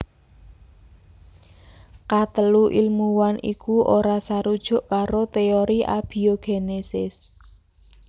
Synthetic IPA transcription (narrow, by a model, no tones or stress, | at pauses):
kat̪əluʔilmuwanḭkuʔoɾasaɾud̥ʒ̥ʊ̤ʔkaɾot̪eoɾiʔa̰b̥i̤oɡ̥enesɪs